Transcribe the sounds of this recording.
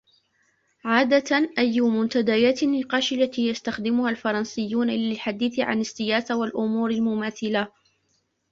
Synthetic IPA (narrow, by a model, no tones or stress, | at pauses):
ʕaːd̪aʔajːʊmʊnt̪ad̪ajaːt̪anːɪqɑːʃɪlːat̪iːjast̪axd̪ɪmʊhalfɑɾˤɑnsɪjːuːnalɪlħad̪iːθɪʕa̰nɪsːɪjaːsawalʔʊmuːɾalmʊmaːθɪla